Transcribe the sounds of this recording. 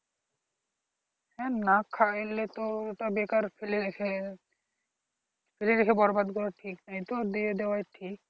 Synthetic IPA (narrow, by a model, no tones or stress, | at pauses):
hɛnakʰajlet̪oʈabekaɾfeleekʰe | fʰeled̪ekʰebɔɾbad̪kɔɾaʈʰiknajt̪od̪ied̪ewajʈʰik